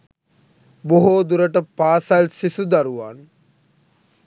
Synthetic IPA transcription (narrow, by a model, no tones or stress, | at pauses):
boɦod̪uɾəʈəpaːsalsisud̪aɾuʋan